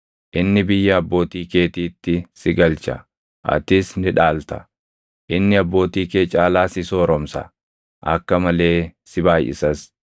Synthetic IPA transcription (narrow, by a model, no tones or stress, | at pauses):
ʔɪnːɪbɪjːɐɐbːo̞ːt̪iːke̞ːt̪iːt̪ːɪsɪɡɐlt͡ʃɐ̰ | ʔɐ̰t̪ɪsnɪᶑaːlt̪ɐ̥ | ʔɪnːɪɐbːo̞ːt̪iːke̞ːt͡ʃʼaːlaːsɪso̞ːɾɔmsɐ̰ | ʔɐ̰kːɐmɐle̞ːsɪbaːjʔɪ̰sɐs